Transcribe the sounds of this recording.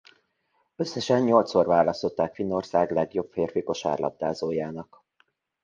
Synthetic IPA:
ø̞sːɛʃɛnɲo̞lt̪sorvaːlɒst̪ot̪ːaːkfinːo̞rsaːɡlɛɡjo̞pfeːrfiko̞ʃa̰ːrlʔɒ̰b̚d̪aːzoːjaːnɒk

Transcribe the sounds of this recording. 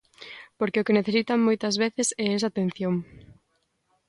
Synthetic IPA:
poɾkeʊkeneθesit̪aŋmojt̪ɐzβeθesɛɛs̬at̪ẽn̟θjoŋ

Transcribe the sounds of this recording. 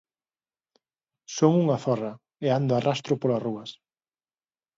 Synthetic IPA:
soŋuŋaθɔrɐ | eand̪ʊarʔast̪ɾʊpolasruɐs

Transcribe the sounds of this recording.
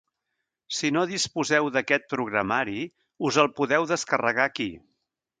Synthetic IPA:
sinoðispuzɛwðəkɛt̪̚pɾuɣɾəmaɾi | uzəlˠpuðɛwðəskərəɣaki

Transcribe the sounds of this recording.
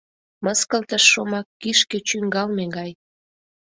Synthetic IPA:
məskəlt̪əʃːomɑkːiʃket͡ɕyŋɡɑlmeɡɑj

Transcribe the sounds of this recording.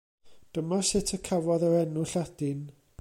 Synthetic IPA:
d̥əmɔsɪtʰəkʰavɔðəɾɛnʊɬad̥ɪn

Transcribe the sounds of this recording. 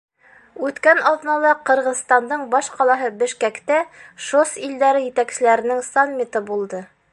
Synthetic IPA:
ʉt̪kænɑðnɑlˠɑqɤ̆ɾʁɤ̆ðst̪ɑnd̪ɤɴbɑʃqɑlˠɑɦɤbɘ̆ʃkækt̪æʃosild̪æɾɘjɘ̆t̪æksɘ̆læɾɘ̆nɘŋsanʲːit̪ɤbulˠd̪ɤ

